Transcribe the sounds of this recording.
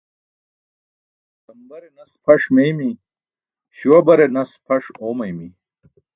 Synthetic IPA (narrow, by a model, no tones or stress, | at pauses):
t̪ɐmbɐɾenɐspʰɐʂmejmi | ɕiwɐbɐɾenɐspʰɐʂoːmɐjmi